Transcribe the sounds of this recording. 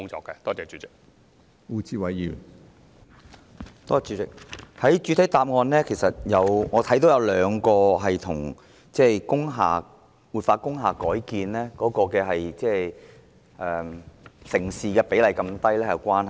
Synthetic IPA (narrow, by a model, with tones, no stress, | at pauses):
ʊ˥ŋt͡ʃɔ̰ː˨˧kːɛ˧t̪ɔː˥t͡sɛː˨˩t͡ʃyː˨˥t͡sɪ˨k̚ | uː˧t͡siː˧wɐ˨˧jjy̰ː˨˩ | t̪ɔː˥t͡ʃyː˨˧t͡sɪ˨k̚hɐ˨˥jt͡ʃy˨˧t̪ʰɐ˨˥t̪aː˧p̚ŋɔː˧nlɛː˥kʰe˨˩jsɐ˨t̚jɐ˨˧wŋɔː˨˧t̪ʰɐ˨˥jt̪o˨˥wjɐ˨˧wlœː˨˧ŋkɔː˧ɦɐ˨jt̪ʰʊ˨˩ŋ | t͡sɛː˥˧kʊ˥ŋɦa̰ː˨ | wuː˨˩t̚faː˧kʊ˥ŋɦaː˨kɔː˨˥jkiː˧nlɛː˥kɔː˨˥kɔː˧kɛː˧ɦɐ˨jt͡sɛː˥˧ | ʔɛː˨˩sɪ˨˩ŋsiː˨kɛː˧pe˨˥jlɐ˨˩jkɐ˧mt̪ɐ˥jlɛː˥jɐ˨˩wkʷaː˥nɦɐ˨